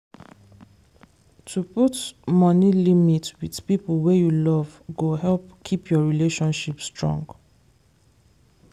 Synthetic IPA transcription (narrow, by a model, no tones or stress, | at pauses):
tʰuputmɔnilimitwið̥pipəlwejulɔvɡoɦɛlpkʰipʰjɔɹileʃɔ̃nʃipstɹɔ̰̃ŋɡ